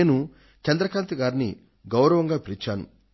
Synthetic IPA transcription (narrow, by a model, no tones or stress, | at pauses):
eːnu | t͡ʃɛnd̪ɾɐkaːnt̪ɐɡaːɾinḭ | ɡɐwɾɐʋɐŋɡaːpiɾit͡ʃːaːnṵ